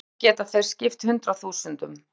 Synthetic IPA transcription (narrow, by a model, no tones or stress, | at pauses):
cɛːt̪aθejɾ̥scɪft̪hʏnt̪ɾaθuːsʏnt̪ʏm